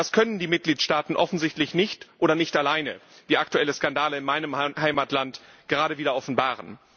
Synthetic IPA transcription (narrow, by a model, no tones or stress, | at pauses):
d̥askʰœnəndiːmɪt̚ɡ̥liːtʃtaːtn̩ʔɔfn̩zɪçtlɪçnɪçtʔoːɾɐnɪçtalaɪnə̰ | viːaktuɛləskandaːləɪnmaɪnəmhaɪmatlant | ɡ̥əʁaːɾəviːdɐʔɔfn̩baːʁən